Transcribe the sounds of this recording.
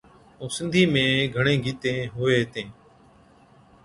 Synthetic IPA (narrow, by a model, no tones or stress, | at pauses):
oːsɪ̃nd̪ʱiːmẽːɡʱəɳẽːɡʱiːt̪ẽːɦoːeːt̪ẽː